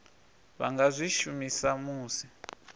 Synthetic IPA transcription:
βa̰ŋɡazʷiʃumisamuːsi

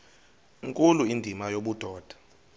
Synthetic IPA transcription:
ŋkʼuluindʱimajoɓud̥ʱɔːd̥ʱḁ

